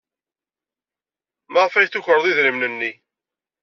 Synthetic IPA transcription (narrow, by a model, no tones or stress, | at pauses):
məʁfæjθuçəɾˤəðˤiðɾimnənːi